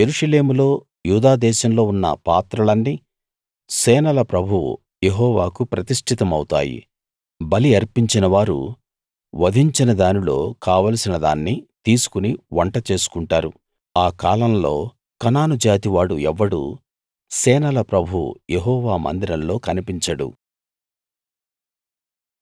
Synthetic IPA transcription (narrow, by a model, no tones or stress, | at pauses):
jeɾuʂɐle̞ːmulo̞ː | juːd̪aːd̪ɛːʃɐmlo̞ːunːɐ̰pa̰ːt̪ɾɐlɐnːi | sɛːnɐlɐpɾɐbʱuwṵ | jeɦɔːʋaːkupɾɐt̪iʂʈʰit̪ɐmɐwt̪a̰ːjḭ | bɐliɐɾpiɲt͡ʃinɐʋaːɾṵ | ʋɐd̪ʱiɲt͡ʃinɐd̪aːnilo̞ːkaːʋɐlɐsinɐd̪a̰ːnːit̪iːsu̥kuniʋɐɳʈɐt͡ʃe̞ːsu̥kuɳʈaːɾu | aːkaːlɐmlo̞̰ː | kɐnaːnud͡ʒaːt̪iʋaːɽuɛʋːɐɽṵ | sɛːnɐlɐpɾɐbʱuwṵjeɦɔːʋaːmɐ̰nd̪iɾɐmlo̞ːkɐnipiɲt͡ʃɐɽṵ